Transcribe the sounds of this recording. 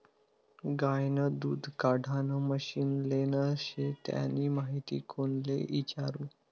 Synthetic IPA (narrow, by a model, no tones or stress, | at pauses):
ɡajnəd̪uːd̪ʱkaɽʱanəməɕiːnlenəɕet̪ja̰niːmaɦit̪ḭːkʰonlḛʔit͡ɕaɾuː